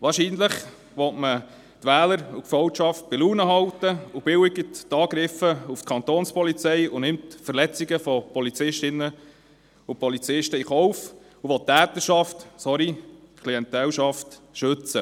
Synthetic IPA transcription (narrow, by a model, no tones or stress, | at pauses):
ʋɑːɾʃiːnləχ | ʋɔtmə | t̪ʋæːləɾukfœwtʃɑft̚b̥ɪluːnəɦɑwt̪əub̥ɪwɪɡəttɑːɡɾɪfəuft̪kʰɑnt̪oːnspɔlit͡sɛjunɪmtfəɾlɛt͡siɡəfɔpɔlit͡sɪʃtɪnːə | upɔlit͡sɪʃtəiχɔwf | uʋɔtːæːt̪əɾʃɑftsɔɾikʰliɛnt̪ɛlʃɑftʃɵt͡sə